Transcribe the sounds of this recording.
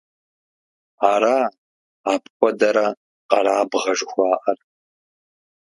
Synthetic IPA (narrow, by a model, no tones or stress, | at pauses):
aːɾaː | aːpʰkʷʼɔdɐɾɐ | qɐɾaːbʁɐʐxʷɑːʔɐr